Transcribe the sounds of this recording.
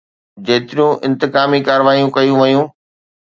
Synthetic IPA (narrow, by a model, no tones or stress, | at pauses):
d͡ʑeːt̪ɪɾijũʔɪ̃nt̪ɪkaːmikaːɾəʋaːijũkɐjũʋɐjũː